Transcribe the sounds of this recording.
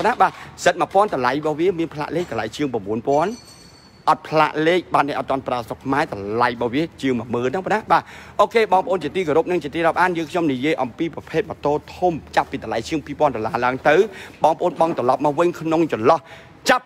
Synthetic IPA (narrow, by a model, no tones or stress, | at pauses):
pnaɓaːsət̪̚mapŏənt̪ɑlajɓɑːʋiəmiənpʰla̰ːʔleːk̚t̪ːəlajt͡ɕiəŋprɑmɓuənpŏən | ʔɑt̪̚pʰla̰ːʔleːk̚ɓaːt̪̚nɨʔt̪t̪ːŏənpraəsokʰmaɛt̪ɑlajɓɑːʋiət͡ɕiəŋmə̆əməːlnɨŋpanaɓaːʔoːkeːɓɑːŋpəʔoːnt͡ɕiət̪iːkoɾup̚nɨŋt͡ɕiət̪iːɾɔp̚ʔaːnjəːŋkʰɲomnijiəjʔɑmpiːprɑpʰeːt̪̚mɑt̪oːt̪ʰumt͡ɕapːiːt̪olajt͡ɕiəŋpiːpoənɗolaːlaəŋt̪ɨwɓɑːŋpʰə̆ʔoːnɓɑŋt̪rɑlɑp̚mɑːʋɨɲkʰnoŋt͡ɕɔnlɑh | t͡ɕap̚